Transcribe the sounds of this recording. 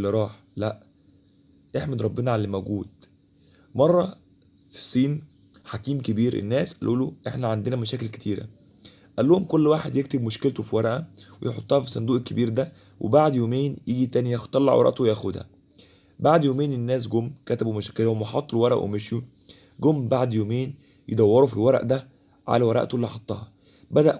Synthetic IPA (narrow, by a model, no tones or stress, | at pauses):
lːeɾˤɑːħ | læʔ | ʔeħmed̪ɾˤɑbːenɑʕalælmæwɡuːd̪ | mɑrˤːɑ | fi̥sˤːiːn | ħakiːmkebiːɾʔḛnːæːsʔæ̰lʔuːloʔeħnæʕand̪enæmæʃæːkelke̥t̪iːɾæ̰ | ʔælːohomkolːwaːħed̪jek̚t̪ebmoʃkelt̪ofiwɑɾɑʔæwejeħot̪ˤːɑhɑfisˤɑnd̪uːʔekːebiːɾd̪æ | wʔebaʕd̪joːmeːnjiːɡit̪æːnijæxt̪ːˤɑlːɑ̰ʕwɑ̰ɾˤɑ̰ʔt̪owejæxod̪hæ̰ | baʕd̪joːmeːnenːæːs̬ɡomːkæt̪æbumæʃæːkelhomweħɑt̪ˤːlwɑɾˤɑʔwʔḛmeʃju | ɡomːbaʕd̪joːmeːn | jed̪æwːɑɾˤofilwɑɾˤɑ̰ʔd̪æ | ʕa̰læwɑɾˤɑ̰ʔt̪olːiħɑt̪ˤːɑːhɑ | bæd̪æʔ